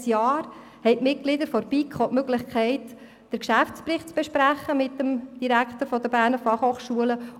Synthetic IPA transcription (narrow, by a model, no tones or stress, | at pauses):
sjɑːɾ | hɛɪtmɪt̚ɡ̥lɪd̪əɾfɔɾb̥iːkʰχɔʔmøɡ̥lɪχkχɛɪt | d̥əɾkʃæftt͡spɾɪχtt͡sb̥eʃpɾæχːəmɪt̪ːəmd̥iɾækχt̪əɾfɔd̪əbæːɾnəfɑχhoχʃuələ